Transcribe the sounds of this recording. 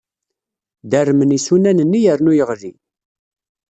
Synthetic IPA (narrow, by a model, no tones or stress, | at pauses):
d̪ærːmənisunænənːijəɾnujəʁði